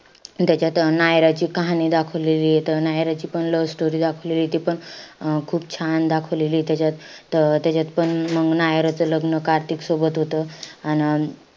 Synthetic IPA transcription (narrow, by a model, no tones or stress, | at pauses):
t̪jat͡ɕjat̪najɾat͡ɕiːkaɦanid̪akʰəʋleliːet̪ənajɾat͡ɕiːpəɳləʋsʈoɾiːd̪akʰəʋleliːt̪ipəɳkʰuːbt͡ɕʰand̪akʰəʋleliːt̪jat͡ɕjat̪t̪jat͡ɕat̪pəɳməɡnajɾat͡sələɡnəkaɾt̪iksobət̪ɦot̪əan